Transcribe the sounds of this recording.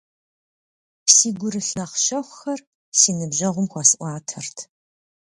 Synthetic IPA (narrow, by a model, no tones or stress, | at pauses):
psiːɡʷʊɾɨɬnɐχʃɐχʷʊxɐr | siːnɨbʑɐʁʷʊmxʷɑsɨʔʷɑːtʰɐrtʰ